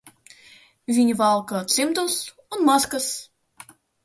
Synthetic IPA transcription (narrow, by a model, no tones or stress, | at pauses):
vʲinʲvɑlˠkɤt̪t͡semd̪os | unmɑskəs